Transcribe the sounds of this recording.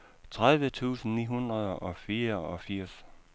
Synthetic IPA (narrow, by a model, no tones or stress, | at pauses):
t͡sʰʁaðˠʋət͡sʰṵːsn̩nḭːɦunʁɐð̞ˠɒ̽fiːɐɒ̽fiɐ̰s